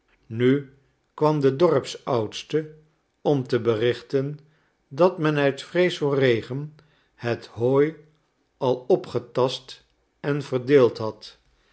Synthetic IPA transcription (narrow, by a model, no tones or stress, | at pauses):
ny | kʋɑmdədɔɹpsʌwtstə | ɔmtəbərɪχtən | dɑtmɛnœɥtfrejsorejχən | hətɦoːj | ɑlˠɔpχətɑst | ɛnvərdeːlˠtɦɑt